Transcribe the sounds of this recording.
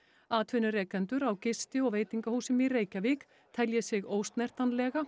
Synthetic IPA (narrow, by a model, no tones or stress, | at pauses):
aːt̪ʰvʏnʏɾɛːkɛnt̪ʏɾawcɪst̪ɪɔɣveːjt̪iŋkahuːsɪmireːjcavɪk | t̪ʰɛljɛsɪɣoːwst̪nɛr̥t̪anlɛːɣa